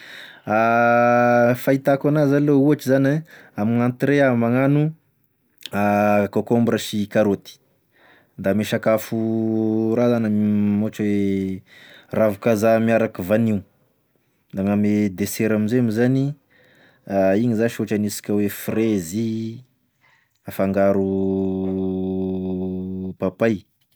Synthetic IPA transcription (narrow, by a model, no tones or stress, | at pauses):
a | fait̪akanazanilouaʈ͡ʂizaneamiŋant̪ɾeamaŋanu | akokombɾaʃikaɾot̪i̥ | nd̪ameʃakafu | ɾazanamoʈ͡ʂwe | ravukazamiaɾakivaniu | d̪aŋamed̪eseɾaminzeamizani | aiɲizaʃoʈ͡ʂanisi̥kʲawefrezi | afaŋɡaɾu | papaj